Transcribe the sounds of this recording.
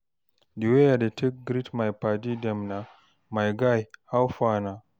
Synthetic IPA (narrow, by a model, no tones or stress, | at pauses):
diwejadetʰek̚ɡɾitmajpadidɛmna | majɡajhawfana